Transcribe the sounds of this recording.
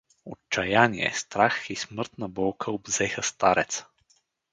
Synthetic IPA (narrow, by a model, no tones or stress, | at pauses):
o̰tt͡ʃːɐjaniɛ̰st̪ɾaxismɤɾt̪nɐbɔlˠkʰəobzɛxəst̪aɾɛt̪s